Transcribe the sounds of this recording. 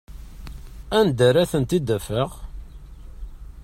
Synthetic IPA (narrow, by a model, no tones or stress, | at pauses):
ænd̪æɾæθənt̪id̪æfəʁ